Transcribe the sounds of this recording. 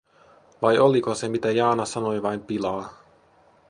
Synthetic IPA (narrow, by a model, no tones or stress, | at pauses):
ʋɑjo̞liko̞se̞mit̪æjɑːnɑsɑno̞jʋɑjmpilɑː